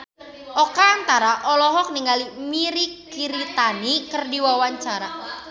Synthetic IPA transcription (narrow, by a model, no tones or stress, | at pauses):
ʔokaːnt̪aɾaʔɔlɔɦɔk̚niŋalimiɾikiɾit̪anikərdiwawaɲt͡ʃaɾa